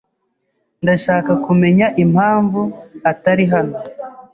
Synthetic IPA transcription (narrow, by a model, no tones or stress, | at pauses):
ndaʃaːkakume̞ɲaʔim̥haːɱvuataɾiɦano̞